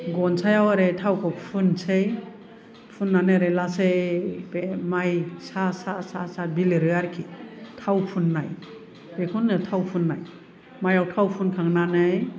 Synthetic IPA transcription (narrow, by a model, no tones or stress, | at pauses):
ɡɔnsʰajawaɾetʰawkʰɔpʰunsej | pʰunːanɯɾelasejbemajsasasasabiliɾɯaɾkʰitʰawpʰunːaj | bekʰunːɯtʰawpʰunːaj | majawtʰawpʰunkʰaŋnanɯj